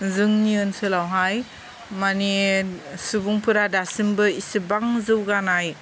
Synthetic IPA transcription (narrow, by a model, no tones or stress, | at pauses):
zɯŋniɯnsɯlawɦaj | manisubuŋpʰɯɾadasimbɯisibaŋzɯwɡanaj